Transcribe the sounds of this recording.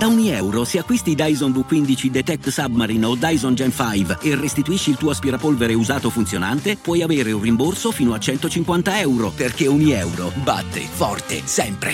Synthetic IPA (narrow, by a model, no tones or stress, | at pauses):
d̪̥auɲiɛwɾoseakːwist̪id̪ajzonbukːwind̪it͡ʃid̪et̪ɛk̚t̪sabmaɾinod̪ajzɔnd͡ʒɛnfajverːest̪it̪uiʃːiːlt̪uːoaspiɾapolveɾeuzaːt̪ofunt̪sjonant̪epwɔjaveːɾeũnrimborsofiːnoat͡ʃɛnt̪ot͡ʃiŋkwant̪aɛwɾoperk̟euɲiɛwɾo̰ba̰t̪ːḛfɔrt̪ḛsɛmpɾḛ